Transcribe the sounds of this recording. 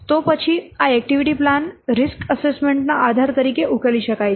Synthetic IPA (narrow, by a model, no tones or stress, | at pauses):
t̪opət͡ɕʰiaɛk̚ʈiʋiʈiːplanɾiskəsesmeɳʈnaʔad̪ʱaɾt̪əɾiːkeʔukʰəliɕəkaj